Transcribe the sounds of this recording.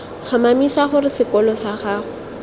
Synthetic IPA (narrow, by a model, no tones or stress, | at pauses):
fʰamamisaχʊrɪsɪkɔlɔsaχaːʊ